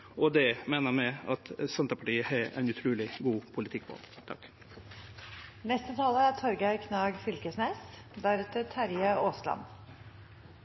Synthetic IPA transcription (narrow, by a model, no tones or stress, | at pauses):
ɔd̪ɛmeːnəɾmɛɑt̪sɛnt̪əpɑʈiːəhɑɛ̰ɪnʉt̪ʰɾʉːlɪɡuːpʰʊlɪt̪ʰɪk̚pʰɔ̰ɔ̰t̪ʰɑ̰kː | nɛst̪ət̪ʰɑːləæt̪ʰɔɾɡæɾkʰnɑːɡfʏlkəsnɛːs | d̪æɾɛt̪ət̪ʰæɾjəoːslɑ̰m